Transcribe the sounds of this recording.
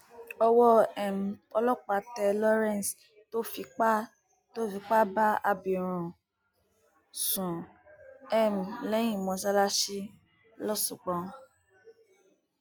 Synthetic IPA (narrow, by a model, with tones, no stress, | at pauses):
ɔ˧wɔ˦ɛ˨m̩˨ɔ˧lɔ˦k͡pa˧tɛ˧lɔ˦ɾɛ̃˦˨n˨s | to˦fi˧k͡pa˦ | to˦fi˧˦k͡pa˦ba˦a˧bi˨ɾ̃ũ˨ | sũ˨ | ɛ˦m̩˨lɛ̃˨˦ĩ˦˨mɔ̃˨sa˧la˧ʃi˦ | lɔ˦sũ˨k͡pɔ̃˧